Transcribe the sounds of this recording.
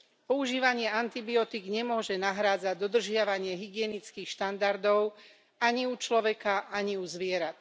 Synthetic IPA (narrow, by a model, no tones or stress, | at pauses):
pɔuʒiːʋaɲɪɛant̪ibiɔt̪iɡɲɛmʊɔʒɛnaɦɾaːd͡zaɟd̪ɔd̪r̩ʒɪaʋaɲɪɛɦiɡɪɛnit͡skiːxʃt̪and̪aɾd̪ɔʊ | aɲiut͡ʃlɔʋɛkaʔaɲiuzʋɪɛɾat̪